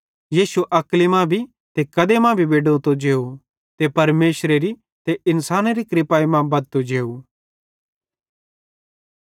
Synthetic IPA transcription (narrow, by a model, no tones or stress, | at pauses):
jiːsuʔɐklimãbʱi | t̪ekɐd̪emãbʱibeːɖot̪od͡ʒeːu | t̪epɐɾmeːʃɾeɾi | t̪eʔɪnsaːnɾikɾɪpaːimãbɐd̪̚t̪od͡ʒeːu